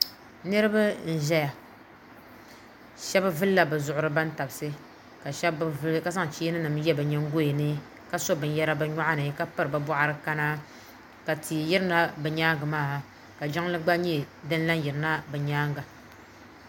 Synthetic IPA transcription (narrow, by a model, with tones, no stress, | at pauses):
nɨ˦ɾɨ˦ba˦n̩˨ʒɛ˦ja˨ | ʃɛ˦ba˦vɨ˦lːa˦bɛ˨zʊ˨ʔʊ˨ɾɨ˨ba˦n˦ta˨bsɨ˦ | ka˨ʃka˨sa˦ŋ˨t͡ʃiː˦nɨ˦nɨ˨m˦jɛ˦bɛ˨ɲɛ˦ŋ˦ɡo˦e˨nɨ˦ | ka˦so˦bɨ˨n˦jɛ˦ɾa˦bɛ˦ɲɔ˦ʔa˦nɨ˨˦ka˦pɨ˦ɾɨ˨ba˨bʷɔ˦ʔa˦ɾɨ˦ka˦na˦ | ka˨tʰi˨ji˦ɾɨ˦na˦bɛ˨ɲaː˦ŋɡa˨maː˦˨ | ka˨d͡ʒa˦ŋlɨ˦ɡ͡ba˦ɲɛ˦˨dɨ˦n˦la˦nji˨ɾɨ˨na˦bɛ˨ɲaː˦ŋɡa˨